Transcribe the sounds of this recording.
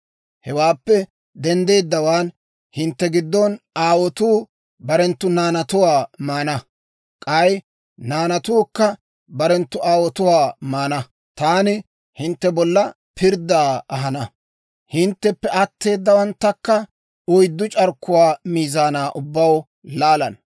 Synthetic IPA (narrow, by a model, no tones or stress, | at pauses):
hɛwaːpːɛ | d̪ɛnd̪e̞ːd̪ːɐwaːn | hɪnt̪ːɛɡɪd̪ːɔnaːwɔt̪uː | bɐɾɛnt̪ːʊnaːnɐt̪ʊwaːmaːnɐ | kʼɐj | naːnɐt̪ʊːkːɐ | bɐɾɛnt̪ːʊaːwɔt̪ʊwaːmaːnɐ | t̪aːnɪ | hɪnt̪ːɛbɔlːɐ | pʰɪɾd̪aːɐɦɐnɐ | hɪnt̪ːɛpːɛɐt̪ʰːe̞ːd̪ːɐwɐnt̪ːɐkːɐ | ʊjd̪ːʊt͡ʃʼɐɾkːʊwaːmiːzaːnaːʔʊbːɐw | laːlɐn